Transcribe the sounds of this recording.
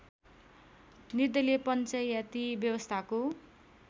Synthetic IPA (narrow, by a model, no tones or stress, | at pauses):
nid̪ʌlepʌnt͡sʌjat̪ibjʌwʌst̪ʰako